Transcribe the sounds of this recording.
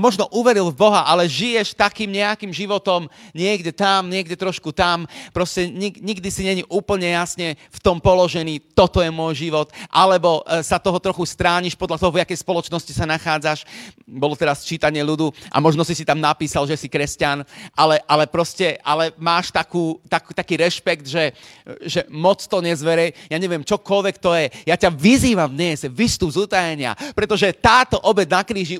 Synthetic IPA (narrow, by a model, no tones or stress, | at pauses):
mɔʒnɔʔuʋɛɾilvbɔɦaʔalɛʒijɛʃt̪akiːmɲɛakiːmʒiʋɔt̪ɔmɲɪɛɡɟɛt̪amɲɪɛɡɟɛt̪ɾɔʃkut̪ampɾɔscɛɲiɡɲiɡd̪isiɲɛɲiʔuːpl̩ɲɛjasɲɛft̪ɔmpɔlɔʒɛniːt̪ɔt̪ɔjɛmʊɔjʒiʋɔt̪ʔalɛbɔsat̪ɔɦɔt̪ɾɔxust̪ɾaːɲiʃpɔd̪ʎat̪ɔɦɔvakɛjspɔlɔt͡ʃnɔscisanaxaːd͡zaʃbɔlɔt̪ɛɾast͡ʃiːt̪aɲɪɛʎud̪uʔa̰mɔʒnɔsisit̪amnapiːsalʒɛsikɾɛscanʔalɛʔalɛpɾɔscɛʔalɛmaːʃt̪akuːt̪akt̪akiːɾɛʃpɛkd̪ʒɛʒɛmɔt͡st̪ɔɲɛzʋɛɾɛjjaɲɛʋɪɛmt͡ʃɔkɔlʋɛkt̪ɔjɛjacaʋiziːʋamvd̪ɲɛzʋist̪ubzut̪ajɛɲɪa̰pɾɛt̪ɔʒɛt̪aːt̪ɔʔɔbɛɟnakɾiːʒi